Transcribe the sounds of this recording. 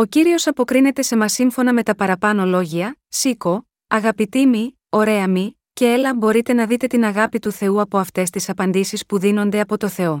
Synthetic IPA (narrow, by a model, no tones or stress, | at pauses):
o̞ciɾio̞sɐpo̞kɾine̞t̪e̞se̞mɐsiɱfo̞nɐme̞t̪ɐpɐɾɐpɐno̞lo̞ʝiɐsiko̞ | ɐɣɐpit̪imi | o̞ɾe̞ɐmi | ce̞elɐbo̞ɾit̪e̞nɐðit̪e̞t̪inɐɣɐpit̪uθe̞uɐpo̞ɐft̪e̞st̪isɐpɐnd̪isispuðino̞nd̪e̞ɐpo̞t̪o̞θe̞o̞